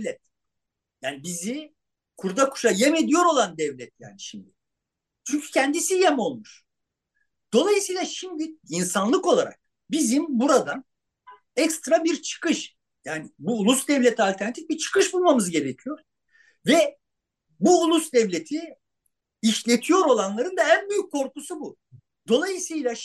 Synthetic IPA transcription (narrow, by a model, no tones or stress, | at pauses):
vlʲɛt̪̚ | jaːnibizi | kʰuɾd̪akʰu̥ʃajeme̞d̪ijo̞ɾo̞lˠand̪ɛvlʲɛt̪̚ja̰ːniʃimd̪ɪ | t͡ʃʰyɲcʰy̥cʰænd̪isijemo̞lˠmuʃ | d̪̥o̞lˠajɯsijlˠaʃimd̪iinsanlˠɯko̞lˠaɾa̰k̚ | bizimbuɾad̪an | ɛkst̪ɾabiɾt͡ʃʰɯ̥kɯʃ | jaːnibuːlˠusd̪ɛvlʲet̪ʰialʲt̪ʰɛɾnat̪i̥fbiɾt͡ʃʰɯ̥kʰɯʃbulˠmamɯzɟe̞ɾecʰijo̞ɾ̥ | vɛ | buːlˠusd̪ɛvlʲe̞t̪ʰi | iʃlʲe̞t̪ʰijo̞ɾo̞lˠanlˠaɾɯnd̪aænbyjyc̚kʰːo̞ɾkusubu | d̪̥o̞lˠajɯsɯjlˠa